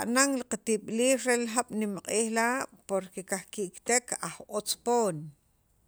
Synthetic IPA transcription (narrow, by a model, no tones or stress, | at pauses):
aʔnaŋliqat̪iɓliːhɾelxaɓ̥nimqʼiːχlaːʔpoɾkekaχkiʔkt̪ekʰaχot͡spoːn